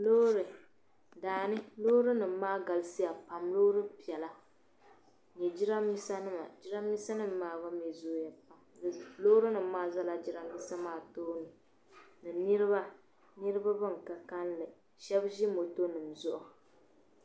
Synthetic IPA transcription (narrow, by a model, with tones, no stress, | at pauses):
lo˦ɾɨ˨ | daː˨nɨ˦lo˦ɾɨ˦nɨ˨mː˦aː˦ɡa˨lɨ˦si˦ja˨pa˨mloː˦ɾɨ˦pi˨ɛ˨la˦ | ɲɛ˨d͡ʒi˦ɾa˦mːi˦sa˦nɨ˦ma̰˨d͡ʒi˦ɾa˦mi˦sa˦nɨ˦mː˦aː˨ba˦mɛ˨zoː˦ja˨pa˨m˨lo˦ɾɨ˦nɨ˨mː˦aː˦za˦la˦d͡ʒi˦ɾa˦mi˦sa˦maː˦˨toː˦nɨ˨ | nɨ˨nɨ˦ɾɨ˦ba˦ | nɨ˦ɾɨ˦ba˦bɨ˦ŋ˨ka˨ka˦nlɨ˨ | ʃɛ˦bʒi˦mo˨to˦nɨ˨mzʊ˦ʔʊ˨